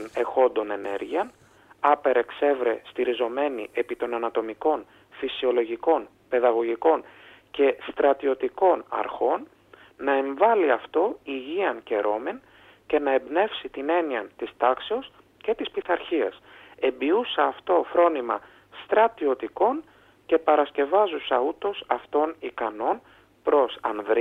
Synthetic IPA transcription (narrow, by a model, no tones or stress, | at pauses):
ne̞xo̞nd̪o̞ne̞ne̞̰ɾʝiɐn | ɐpe̞ɾe̞kse̞vɾe̞st̪iɾizo̞me̞nḭʔe̞pit̪o̞nɐnɐt̪o̞miko̞n | fisio̞lo̞ʝiko̞n | pe̞ðɐɣo̞ʝiko̞n | ce̞st̪ɾɐt̪io̞t̪iko̞nɐ̰ɾxo̞nː | ɐe̞ɱvɐliɐft̪o̞iʝiɐnce̞ɾo̞men | ce̞nɐebne̞fsit̪ine̞niɐt̪ist̪ɐkseos | ce̞t̪ispiθɐɾçiɐ̰se̞mbiusɐːft̪o̞fɾo̞nimɐ̰ | st̪ɾɐt̪io̞t̪iko̞n | ce̞pɐɾɐsce̞vɐzusɐut̪o̞sɐft̪o̞nikɐno̞n | pɾo̞sɐ̰nðɾi